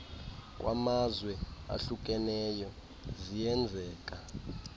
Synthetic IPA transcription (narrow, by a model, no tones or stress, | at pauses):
kʼwa̰mazwɛa̰ɬuk̬ʼɛnɛjɔ | zijɛnd͡zʱɛːkʼa